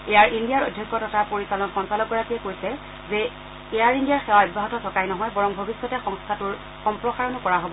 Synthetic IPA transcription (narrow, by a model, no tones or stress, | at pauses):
ɛjaɹindijaɹojdʱjɔkːɔtɔtapoɹisalɔnxɔnsalɔk̚ɡɔɹakijɛkoɹisɛ | zɛ | ejaɹindijaɹxɛwaɔbbaɦɔtɔtʰɔkajnɔɦɔjbɔɹɔŋbʱobisːɔtɛxɔŋstʰatʊɹ | xɔmpɹɔxaɹɔnɔkɔɹaɦobɔ